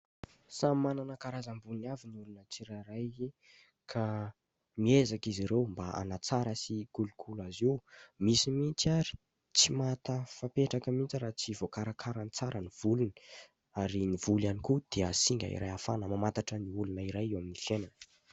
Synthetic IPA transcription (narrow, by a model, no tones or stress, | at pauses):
samananəkaɾazambunavinulunət͡siɾaɾaj | kʰa | miezakiziɾewmbaʔa̰nat͡saɾəsikulukʰulaziwmisimint͡siaɾi̥ | t͡simat̪əfapeʈ͡ʂakəmint͡siɾaːt͡sivokaɾakʰaɾanit͡saɾəniv̥ulun | aɾinivulanikud̪̥eəsiŋɡʲa̰ḭɾa̰jafanəmamant̪aʈ͡ʂəniulunəiɾajewaminifenan